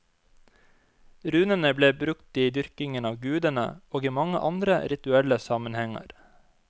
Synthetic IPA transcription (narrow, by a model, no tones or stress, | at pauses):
ɾʉːnənəbleːbɾʉkt̪iːd̪ʏɾkɪŋənɑːʋɡʉːd̪ənə̰oːɡiːmɑŋə̰ʔɑnd̪ɾə̰ɾɪt̪ʉɛləsɑmənhɛŋɑ̰ɾ